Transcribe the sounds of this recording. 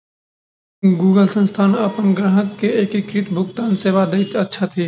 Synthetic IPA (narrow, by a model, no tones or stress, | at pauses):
ɡuːɡəlsə̃nst̪ʰaːnɐpənɡɾaɦəkːeeːkɪkɾɪt̪bʱʊɡt̪aːnseːʋad̪eɪt͡ʃɐtːʃʰat̪ʰiː